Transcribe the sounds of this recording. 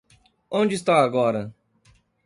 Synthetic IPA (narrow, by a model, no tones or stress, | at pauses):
õd͡ʒɪist̪aaɡɔɾɐ